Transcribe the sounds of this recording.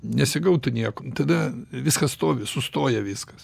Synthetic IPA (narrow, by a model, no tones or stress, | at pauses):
nʲɛsʲɪɡɐʊt̪ʊnʲiɛkot̪ɐd̪ɐʋʲɪskɐsst̪oːʋʲɪsʊst̪oːjɛʋʲɪːskɐs